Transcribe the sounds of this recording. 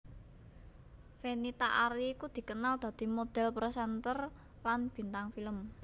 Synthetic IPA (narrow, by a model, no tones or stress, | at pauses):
fenit̪aʔaɾiːkud̪̥i̤kənald̪̥a̤d̪̥i̤mod̪̥ɛ̤lpɾosɛnt̪ər | lanb̥i̤nt̪aŋfiləm